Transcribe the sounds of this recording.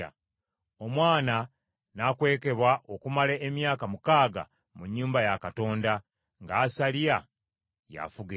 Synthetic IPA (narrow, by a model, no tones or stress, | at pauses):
a̰ | o̞mwaːna | nakwe̞ːke̞βwaʔo̞kumaleʔːmjaːkamukaːɡa̰ | muɲːuːmbajakato̞ːnda | ŋɡaːsalia | ja̰fuɡe